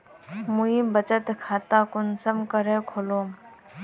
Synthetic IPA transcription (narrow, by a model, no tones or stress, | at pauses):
muĩbət͡ʃət̪kʰaːt̪aːkʊnsəmkəɾeːkʰoloː